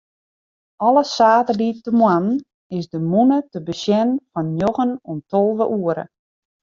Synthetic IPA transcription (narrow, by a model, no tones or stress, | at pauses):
ɔlˠəsaːtədit̚təmwan | ɪsdəmunətəbəsjɛnfɔnjoɣənontolˠvəʔuəɾə̰